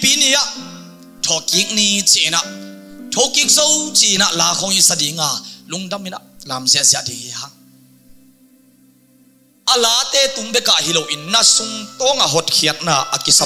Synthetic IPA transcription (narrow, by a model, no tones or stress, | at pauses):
piːnijaʔ | tʰɔːkiːk̚nit͡sinaʔtʰowkik̚zowt͡siʔːnaʔlaːkʰɔŋisadiːŋaːluŋdamina̰ʔlaːmziəʔziaʔdihiɦaŋ | ʔalaːt̪ɛːt̪umbɛkaʔɦilowʔinːasuŋt̪ɔːŋaɦɔt̚kʰiət̚naːʔakisa